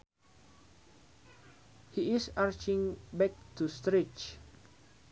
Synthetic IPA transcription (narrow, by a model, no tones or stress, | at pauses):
hiɪsaɹt͡ʃĩŋbɛk̚tust̪ɾit͡ʃ